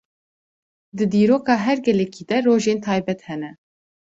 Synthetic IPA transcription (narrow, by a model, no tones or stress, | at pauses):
d̪ɨd̪iːɾoːkɑːɦɛɾɡɛlɛkʰiːd̪ɛroːʒeːnt̪ʰɑːjbɛt̪hɛnɛ